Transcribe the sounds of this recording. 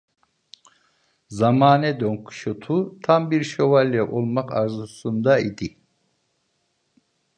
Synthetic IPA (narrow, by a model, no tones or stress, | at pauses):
zamaːnɛd̪øŋkʰu̥ʃot̪ʰut̪ʰambiɾʃovalʲːɛʔolˠmaka̰ɾzusund̪aid̪i